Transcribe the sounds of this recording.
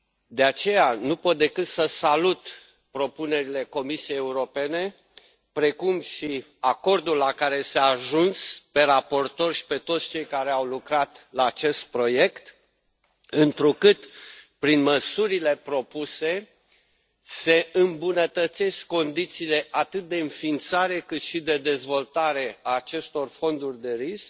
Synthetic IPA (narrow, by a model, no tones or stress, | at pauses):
d̪e̞at͡ʃe̞janupo̞t̪̚d̪e̞kɨt̪səsalut̪ | pɾo̞pune̞ɾile̞ko̞misiejeuɾo̞pe̞ne̞ | pɾe̞kumʃi | ako̞rd̪ulːakaɾe̞seaːʒunspe̞ɾapo̞rt̪o̞rʃi̥pe̞t̪ot̪st͡ʃejkaɾe̞awlukɾat̪laːt͡ʃe̞st̪̚pɾo̞je̞kt̪ | ɨnt̪ɾukɨt̪pɾinməsuɾile̞pɾo̞puse̞ | se̞ɨmbunət̪ət̪se̞skːo̞nd̪it̪siːle̞ʔat̪ɨt̪̚d̪e̞ɨnfiːnt̪saɾe̞kɨt̪ʃid̪e̞d̪e̞zvo̞lt̪aɾe̞aːt͡ʃe̞st̪o̞rfo̞nd̪urʲd̪e̞ɾisk̚